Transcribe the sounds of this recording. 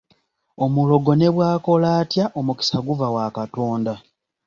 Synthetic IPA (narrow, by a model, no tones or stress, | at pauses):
o̞mulo̞ɡo̞ne̞βwaːko̞laːtjaʔo̞muki̥saɡuvawakato̞ːnda